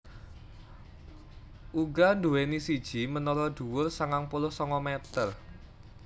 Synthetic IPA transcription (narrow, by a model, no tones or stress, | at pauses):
ʔuɡanduwenisid̥ʒ̥i̤mənɔlɔɖ̪̥ṳwʊrsaŋaŋpulʊhsɔŋɔmet̪ər